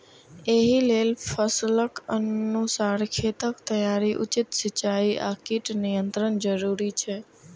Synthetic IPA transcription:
eːɦileːlpʰəsləkənusaːɾkʰeːt̪əkt̪ɐjaːɾiʔʊ̰t͡ʃɪt̪sɪt͡ɕaːiʔa̰ːkiʈnɪjə̃nt̪ɾənd͡ʒəɾuːɾieː

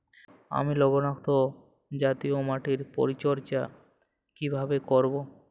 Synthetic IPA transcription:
a̰milɔbonakt̪o | d͡ʑat̪iomaʈiɾpo̰ɾit͡ɕɔɾt͡ɕa | kibʱabekoɾbo

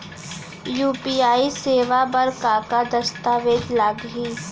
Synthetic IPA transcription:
juːpiaːiseːʋabɐɾkaːkad̪ɐst̪aːʋeːd̪laɡɦiː

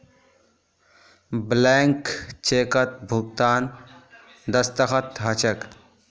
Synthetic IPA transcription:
bleːŋkt͡ʃeːkət̪̚bʱʊɡt̪aːn | d̪ɐst̪əxət̪ɦɐt͡ʃək

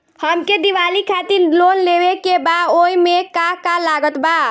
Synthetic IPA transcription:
həmked̪iʋalikʰat̪iɾlonlebekebaoimekakalaɡət̪ba

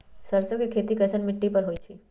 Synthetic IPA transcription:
səɾsokekʰet̪ikəsʰənmɪʈːipəɾɦojt͡ʃʰe

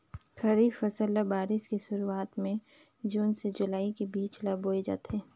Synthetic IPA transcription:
kʰɐɾiːfɐsəlːabaːɾɪskisʊɾuaːt̪mẽ | d͡ʒuːnsed͡ʒʊlaːikebiːt͡ʃlaːboːid͡ʒa̰ːt̪eː

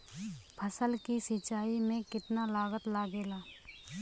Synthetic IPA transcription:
pʰəsəlkisɪt͡ʃaːimẽkɪt̪nalaːɡət̪laːɡeːlaː

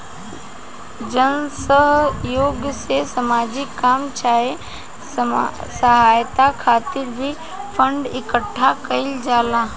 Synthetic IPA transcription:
d͡ʒənsəɦjoːɡjəsesəmaːd͡ʒɪkːaːmt͡ʃʰaːe | səɦaːjt̪akʰaːt̪ɪɾbʱi | pʰə̃ɳɖɪkəʈʰːakɐɪld͡ʒaːlaː

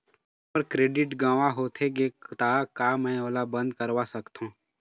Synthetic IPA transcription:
pəɾkɾeːɖɪʈɡãːʋaɦoːt̪ʰeɡeːkt̪aːkaːmɛ̃ːoːlabə̃nd̪kəɾʋasəkt̪ɦũː

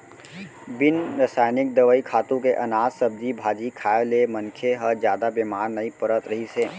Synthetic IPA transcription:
bɪnɾəsaːjnɪk̚d̪ɐʋəikʰaːt̪ũkeʔɐnaːzsɐb̚d̪ibʱaːd͡ʒikʰaːelemɐnkʰeɦəzjaːd̪abeːmaːɾnɐipɐɾət̪ɾɐɦiseː

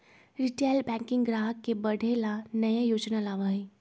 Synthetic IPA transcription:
ɾɪʈeːlbɛ̃ːŋkɪ̃ŋɡɡɾaːɦəkːebɐɽʱelanɐjajoːd͡ʒnalaːʋaːi

